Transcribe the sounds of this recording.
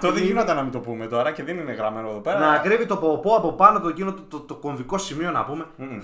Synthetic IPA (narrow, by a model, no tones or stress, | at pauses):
t̪oðeinod̪enɐmit̪o̞pume̞t̪o̞ɾɐceðenineɣɾɐmenoeðopeɾɐnɐːkɾivit̪opopoɐpo̞pɐno̞pt̪ocinot̪t̪ot̪oko̞ɱviko̞simio̞nɐ̰pume̞